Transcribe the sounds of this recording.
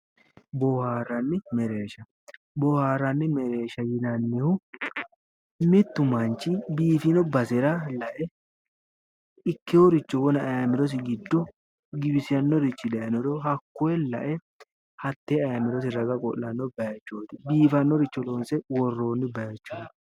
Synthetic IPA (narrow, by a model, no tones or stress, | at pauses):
bɔhaːɾɐnːɪmɛɾe̞ːʃɐ | bɔhaːɾɐnːɪmɛɾe̞ːʃɐjɪnɐnːɛhʊ | mɛt̪ːʊmɐnt͡ʃːɪbiːfɪnɔbɐsɛɾɐlɐʔɛ | ɪkːɪhɔɾɪt͡ʃːɔwɔnɐɐjamɪɾɔs̬ɪɡɪd̪ːɔ | ɡɪbɪsɪjɐnːɔɾɪt͡ʃːɪd̪ɐjɐnɔd̪ɔɦɐkːɔɛlɐ̰ʔɛ | hɐt̪ːeːɐjamɪɾɔs̬ɪɾɐɡɐkʼɔ̰lːɐnːɔbɐjɐt͡ʃːoːt̪ɪbiːfɐnːɔɾɪt͡ʃːɔloːnsɛwɔrːoːnːɪbɐjɐt͡ʃːoː